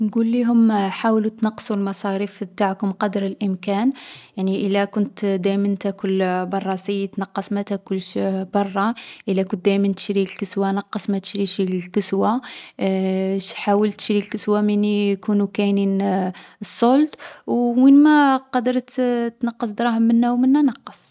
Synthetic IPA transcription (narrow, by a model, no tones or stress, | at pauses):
nɡulːiɦʊmħawlut̪nɑqːsˤulmɑsˤɑɾifb̚t̪aʕkʊmqɑd̪əɾəlʔəmkænjaʕniʔəlːækʊnt̪d̪æjmənt̪ækʊlbɑrˤːɑsijt̪nɑqːɑsmæt̪ækʊlːʃbɑrˤːɑʔəlːækʊnt̪̚d̪æjmənt̪ə̥ʃɾilkəswanɑqːɑsˤmæt̪ə̥ʃɾiʃilkəswa | ʃħawəlt̪ə̥ʃɾilkəswaminjkunukæjnin | sˤːolt̪wwinmæqɑd̪əɾˤt̪t̪nɑqːəs̬ˤd̪ɾˤɑhəmːənːæwmənːænɑqːɑs